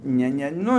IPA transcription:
ˈnʲɛ ˈnʲɛ ˈnʊ

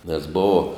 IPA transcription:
nʲɛs ˈboːʋɐ

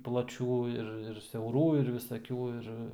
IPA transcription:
plˠɐˈt͡ʃʲuː ɪr ɪr sʲɛʊˈruː ɪr ʋʲɪsɐˈkʲuː ˈɪr

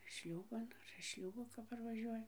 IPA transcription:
ˈʃʲlʲuːbɐn ɐr ɪʃ ˈʃʲlʲuːboː kɐp pɐrʋɐˈʒʲuɔjɛ

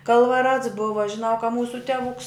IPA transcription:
kɐlˠʋɐˈrɐts ˈbʊʋɐ ʒʲɪˈnɐʊ kɐ ˈmuːsʊ tʲɛˈʋʊks

